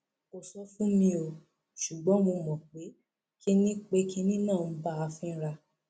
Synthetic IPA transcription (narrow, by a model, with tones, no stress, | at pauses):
o˨sɔ˧fũ˦mĩ˧o˨ | ʃu˨ɡ͡bɔ̃˨˦mo˧mɔ̃˨k͡pe˨˦ | ki˦nĩ˦k͡pe˧ki˦nĩ˦nã˦˨˦ba˦a˧fĩ˦ɾa˧